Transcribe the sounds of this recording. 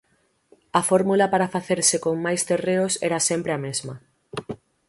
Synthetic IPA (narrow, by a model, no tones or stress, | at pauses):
afoɾmulapaɾafaθeɾsekoŋmajst̪ereosɛ̰ɾasempɾeamezmɐ